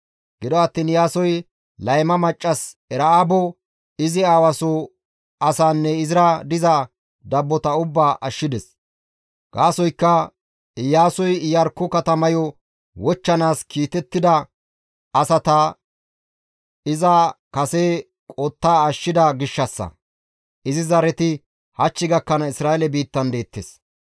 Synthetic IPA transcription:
ɡ̥ɪd̪ɔɐt̪ːiːnjaːsɔj | lɐjmɐmɐt͡ʃʼːɐs | ɛɾɐabɔ | ɪzɪaːwɐso | ɐsaːnːɛɪzɪɾɐd̪ɪzɐ | d̪ɐbːɔt̪ɐʊbːaːʔɐʃːɪd̪ɛs | ɡ̥aːsɔjkːɐ | jaːsɔjjɐɾkːɔkɐt̪ɐmɐjɔ | wɔt͡ʃːɐnaːskiːt̪ɛt̪ːɪd̪ɐ | ɐsɐt̪ɐ | ɪzɐ | kɐseː | kʼɔt̪ːaːɐʃːɪd̪ɐɡɪʃːɐsːɐ̰ | ʔɪzɪzɐɾɛt̪ɪ | hɐt͡ʃːɪɡɐkːɐnɐɪsɾaːɛlɛbiːt̪ːɐnd̪e̞ːt̪ːes

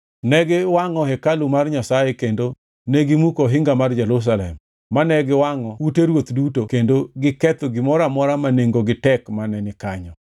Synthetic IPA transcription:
nɛɡɪwaŋɔɦɛkalumarɲasajekendo | nɛɡɪmukoɦɪŋɡamard͡ʒɛɾus̬alɛ̰mː | anɛɡɪwaŋɔwuteɾwot̪dutokendoɡɪkɛt̪oɡɪmɔɾamɔɾamaneŋɡoɡɪtɛkmanɛnɪkaɲɔ

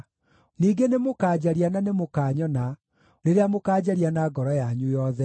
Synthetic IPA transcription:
niːɡenemokaːd͡ʑaɾiananemokaːɲɔna | ɾeɾeamokaːd͡ʑaɾianaɡɔɾɔjaɲujɔðɛ

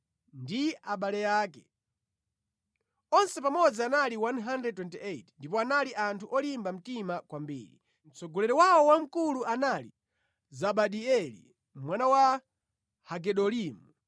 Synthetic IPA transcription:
ndiaɓalɛjaːkɛ | ɔnsɛpamɔd͡zianaliwanɦandrɛd̚twɛntieitndipɔanaliʔantʰuʔɔlimbam̩timakwambḭːɾḭ | m̩t͡sɔɡɔlɛɾɔwawɔwam̩kuluʔanalḭ | zaɓaɗiɛlḭ | mwanawa | haɡɛɗɔliːmu

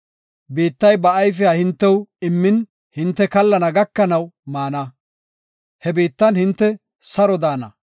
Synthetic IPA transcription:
biːt̪ːɐjbɐɐjf̬ɪjaːhɪnt̪ːɛwɪmːɪn | hɪnt̪ːɛkɐlːɐnɐɡɐkːɐnɐwmaːnɐ | hɛbiːt̪ːɐnhɪnt̪ːɛ | sɐɾɔd̪aːnɐ

